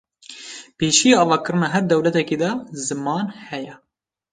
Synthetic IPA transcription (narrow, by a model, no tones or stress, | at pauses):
peːʃijeɑːvɑːkɨɾɨnɑːɦɛɾd̪ɛwlɛt̪ɛkiːd̪ɑzɨmɑːnhɛjɛ